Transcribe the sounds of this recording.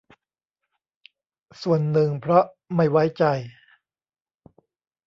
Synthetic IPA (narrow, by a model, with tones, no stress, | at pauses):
su˨˩ənːɯ˨˩ŋpʰɾɔ˦˥ʔ | ma˥˩jwa˦˥jt͡ɕa˧j